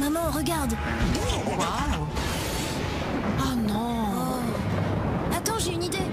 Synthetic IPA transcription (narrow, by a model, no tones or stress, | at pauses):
mamɑ̃ʁəɡaʁd̪ | ɔ̃a | anɔ̃ | at̪ɑ̃ʒeynid̪e